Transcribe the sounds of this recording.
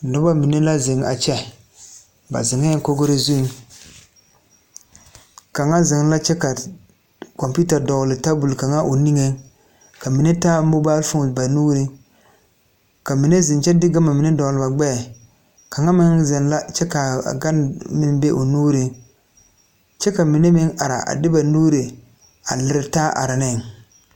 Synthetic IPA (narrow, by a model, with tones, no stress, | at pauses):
nʊ˦ba˦mi˨ne˦la˦zɪ˨ŋa̰˨t͡ʃɛ˦ | ba̰˨zɪ˨ŋe˦ŋ˦ko˦ɡo˦ɾe˦zu˦ | ka˨ŋa˦zɪ˨ŋ˦la˦t͡ʃɛ˦ka˨ | kɔ˨mpu˦ta˨dɔ˨ɣlɪ˨ta˦bu˨lka˨ŋa˦ʔo˨ni˦ŋe˦ŋ | ka˨mi˨ne˦taː˦bo˦baː˦lfʊ˦ŋ˨ba˨nuː˦ɾi˦ŋ | ka˨mi˨ne˦zɪ˨nt͡ʃɛ˦dɪ˦ɡa˦ma˨mi˨ne˦dɔ˨ɣlɨ˨ba˨ɡ͡bɛː˦˨ | ka˨ŋa˦mɪ˦nzɪ˨n˦la˦t͡ʃɛ˦ka̰˨ɡa˦nmɪ˦nbe˦ʔo˨nuː˦ɾɪ˦ŋ | t͡ʃɛ˦ka˨mi˨ne˦mɪ˦ŋa˨ɾa̰˨ʔa̰˨dɪ˦ba˨nuː˦ɾe˨ | a̰˨lɪ˨ɾɪ˨taː˦ʔa̰˨ɾa˨nɪ˦˨ŋ